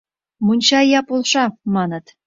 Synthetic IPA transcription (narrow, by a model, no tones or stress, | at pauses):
munʲɕɑjɑpolˠʃɑmɑnɤ̆t̪